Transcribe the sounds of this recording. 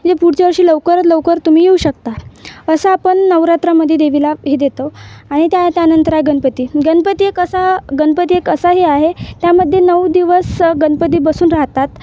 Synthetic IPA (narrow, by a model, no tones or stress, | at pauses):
d͡ʑepuɽ̤t͡ɕeʋəɾɕiːləʋkəɾət̪ləwkəɾt̪um̤iːjeuːɕək̚t̪aəsəapəɳːəʋɾat̪ɾaməd̪ʱːjed̪eʋilaɦed̪et̪oaɽ̃it̪jat̪janənt̪əɾaɦeɡənpət̪iːɡənpət̪iːekəsaɡənpət̪iekəsaɦiaɦet̪jaməd̪ʱːjenəʋd̪iʋəsɡənpət̪̬iːbəsuːnɾaɦt̪at̪